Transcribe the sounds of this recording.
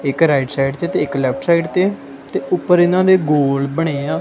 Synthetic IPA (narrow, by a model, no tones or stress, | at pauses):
ɪkɾaːɪʈsaːiɖt͡ʃ̪eːt̪eːɪklɛːpʰʈʰsaːiɖt̪eː | t̪eːʊpːəɾɪnãːd̪eːɡoːlbəɽ̃eːaː